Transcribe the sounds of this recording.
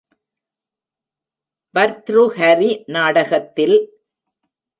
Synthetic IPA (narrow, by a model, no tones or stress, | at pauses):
bɐɾt̪ɾuhɐɾinaːɽɐɣɐt̪ːɪl